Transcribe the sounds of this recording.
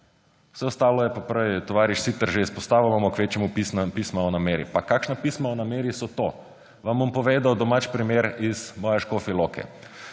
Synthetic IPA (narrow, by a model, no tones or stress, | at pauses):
w̥sɛɔst̪aːlɔjɛpapɾəjt̪ɔʋaːɾiʃsit̪əɾʒeispɔst̪aːʋimamɔkʋeːt͡ʃjɛmupisnapiːsmaɔnameːɾḭpakakʃnapismaɔnameːɾisɔt̪o | ʋambompɔʋeːd̪awd̪ɔmat͡ʃpɾimeɾiz̥mɔjɛʃkofilokʰɛ̰